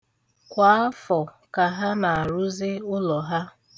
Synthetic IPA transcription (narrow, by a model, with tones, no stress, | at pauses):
kʷa˨˦a˦fɔ˨ | ka˨ɦa˦ma˨a˨ɾʊ˦zɪ˦ʊ˦lɔ˨ɦa˦